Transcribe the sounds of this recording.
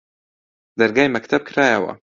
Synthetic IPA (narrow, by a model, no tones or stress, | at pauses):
d̪aɾɡajmakt̪ʰab̚kʰɾajawa̰